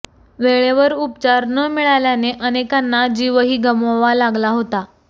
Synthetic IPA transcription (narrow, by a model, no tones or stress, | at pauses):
ʋeɭeʋəɾupt͡ɕaɾnəːmiɭaljaneʔənekanːad͡ʑiʋəɦiːɡəmoʋalaɡlaɦot̪a